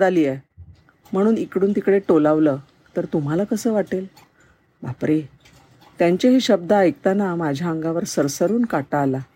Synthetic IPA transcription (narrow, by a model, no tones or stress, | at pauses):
d͡zaliːɛ | m̤əɽ̃uːnikɽuːnt̪ikɽeʈolaʋləː | t̪əɾt̪um̤alakəsəːʋaʈel | bapɾe | t̪jaɲt͡ɕaɦiɕəb̚d̪əəjk̚t̪anamad͡ʑʱjaəŋɡaʋəɾsəɾsəɾuːnkaʈaːla